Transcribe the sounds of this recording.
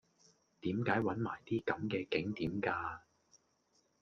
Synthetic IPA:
t̪iː˨˥mkaː˨˥jwɐ˨˥nma̰ː˨˩jt̪iː˥kɐ˨˥mkɛː˧kɪ˨˥ŋt̪iː˨˥mkaː˧

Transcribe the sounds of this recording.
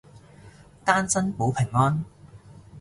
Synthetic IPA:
t̪aː˥nsɐ˥npo˨˥wpʰɪ˨˩ŋːɔː˥n

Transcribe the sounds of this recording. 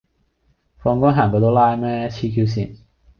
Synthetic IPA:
fɔː˧ŋkɔː˥ŋɦaː˨˩ŋkɔː˧t̪o˥wlaː˥jmɛː˥t͡ɕʰiː˧kʰiː˧ws̬iː˨˩n

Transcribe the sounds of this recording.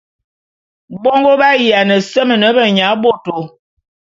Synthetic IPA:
bɔ˦ŋɡo˦ba˦ji˨a˨nə˨sə˦mə˨nə˨˦bə˨ɲa˨˦bo˦˨to˨˦

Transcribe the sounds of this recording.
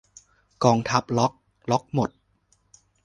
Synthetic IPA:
kɔː˧ŋt̪ʰa˦˥p̚lɔ˦˥k̚ | lɔ˦˥k̚mo˨˩t̪̚

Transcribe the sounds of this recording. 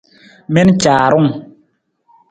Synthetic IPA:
mɛ˦nt͡ʃaː˨ɾʊ˦ŋ

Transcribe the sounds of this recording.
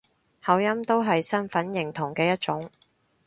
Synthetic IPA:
hɐ˨˥wjɐ˥mt̪o˥wɦɐ˨jsɐ˥nfɐ˨˥njɪ˨˩ŋt̪ʰʊ˨˩ŋkɛː˧jɐ˥t̚t͡ʃʊ˨˥ŋ

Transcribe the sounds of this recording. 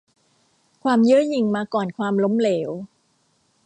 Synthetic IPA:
kʰwaː˧mjɯ˦˥ji˧ŋmaː˧kɔː˨˩nkʰwaː˧mlo˦˥mleː˩˦w

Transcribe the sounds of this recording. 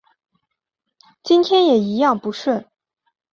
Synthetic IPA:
t͡ɕi˥nt̪ʰjɛ˥njɛ˨˩i˧˥jɑ˥˩ŋpu˧˥ʂɻə˥˩

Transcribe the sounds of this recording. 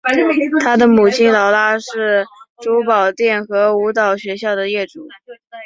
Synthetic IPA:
t̪ʰa˥d̪ə˨mu˨˩t͡ɕʰi˥nlɑ˧˥ʊt̪a˥ʂɻ̩˥˩ʈ͡ʂu˧˥pɑ˨˩ʊt̪jɛ˥˩nxɤ˧˥u˧˥t̪ɑ˨˩ʊɕɥɛ˧˥ɕjɑ˥˩ʊd̪ə˩jɛ˥˩ʈ͡ʂu˨˩˦

